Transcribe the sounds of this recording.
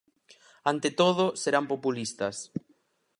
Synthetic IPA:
ant̪et̪oð̞oseɾampopulist̪ɐs

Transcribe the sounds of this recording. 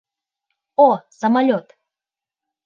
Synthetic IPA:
osəmalʲot̪

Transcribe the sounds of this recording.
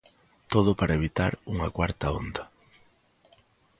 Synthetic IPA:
t̪oðʊpaɾaeβit̪a̰ɾuŋakwaɾt̪ɐond̪a

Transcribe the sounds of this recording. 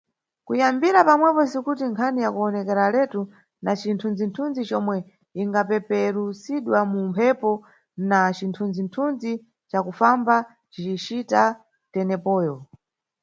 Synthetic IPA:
kujambiɾapamwɛpɔsikutiŋkʰanijakuɔnɛkɛɾalɛtu | nat͡ʃintʰund͡zintʰund͡zit͡ʃɔmwɛ | iŋɡapɛpɛɾusiɗwamumpʰɛpɔ | nat͡ʃintʰund͡zintʰund͡zi | t͡ʃakufamba | t͡ʃit͡ʃit͡ʃita | tɛnɛpɔːjɔ

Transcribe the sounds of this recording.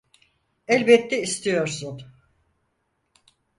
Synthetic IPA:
ɛlʲbɛt̪ʰːɛist̪ʰijo̞ɾsun

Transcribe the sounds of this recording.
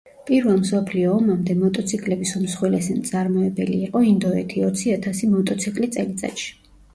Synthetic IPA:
pʼiɾvamsɔpʰliɔːmamd̪ɛmɔt̪ʼɔt̪sʰikʼlɛbisumsχwɛlɛsɛt̪sʼaɾmɔɛbɛlḭːqʼɔind̪ɔɛ̰t̪ʰiɔt̪sʰiat̪ʰasimɔt̪ʼɔt̪sʰikʼlit̪sʼɛlit̪sʼa̰t̪ʃi̥

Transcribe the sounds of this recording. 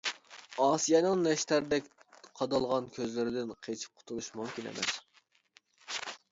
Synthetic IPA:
ɑːsijɑnɨŋnɛʃt̪æɾd̪ɛkʲqʰɑd̪ɑlˠʁɑnkʲʰøzlɪɾɪd̪ɪnqʰet͡ʃʰi̥p̚qʰʊ̥t̪ʰulˠuʃmumkʲinḛmʔɛ̰s

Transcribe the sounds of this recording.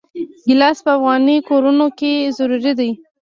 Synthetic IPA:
ɡɪlɑspəafɣɑnikoɾunokezaɾuɾid̪aj

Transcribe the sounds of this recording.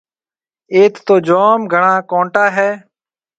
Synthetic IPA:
eːt̪t̪oːd͡ʒoːmɡʱəɳaːkõːɳʈaːɦɛː

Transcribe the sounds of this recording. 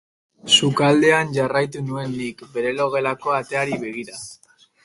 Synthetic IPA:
sukald̪e̞anʝarajt̪̬unue̞nːikbe̞ɾe̞lo̞ɣ̞e̞lako̞at̪e̞aɾiβe̞ɣ̞iɾa

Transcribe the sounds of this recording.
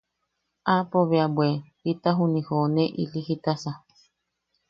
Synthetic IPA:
apoβeabwepit̪aɦunĩhonẽʔḭliɦit̪asa

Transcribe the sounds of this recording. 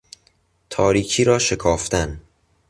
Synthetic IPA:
t̪ʰɒːɾiːkʰiːɾɒːʃe̞kʰɒːft̪æn

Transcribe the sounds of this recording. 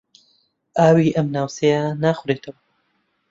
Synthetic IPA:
ʔaːwiːʔɐmnaːwsejanaːxʊɾet̪ʰɐwɐ

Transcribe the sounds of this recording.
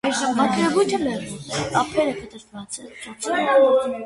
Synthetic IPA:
ɑjʒəmɑt̪ʰɾɛvujt̪ʰəmɛruɑpʰɛɾəkət̪əɾvɑt͡sɛ | ɔ

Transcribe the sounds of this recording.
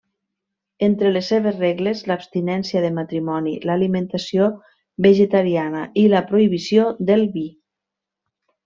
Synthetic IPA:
ent̪ɾəlesːeβ̞ezreɣlezlapst̪inɛnsiaðemat̪ɾimɔnḭlalimẽnt̪asio | bəʒet̪aɾianaʔiləpɾoiβisjod̪elˠβi

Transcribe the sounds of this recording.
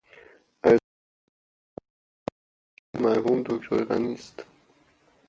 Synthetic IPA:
æ | mæɾhumd̪okt̪ʰoɾʁæ̰nist̪

